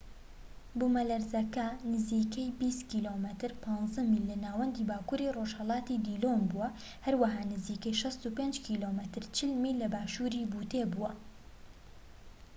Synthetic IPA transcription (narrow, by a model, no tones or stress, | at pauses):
bumɐlɐɾzɐkɐnɨziːkɐjbist̪kiːlomət̪ɨɾpʰɑnzɐmilːɐnaːwɐnd̪iːbaːkuːɾiroʒhɐlˠɑːt̪id̪ilombuwɐ | hɐɾwɐɦaːnɨziːkɐjʃɐst̪upend͡ʒkʰilomət̪ɨɾt͡ʃɪlmilɐbaːʃuɾibuːt̪ebuwɐ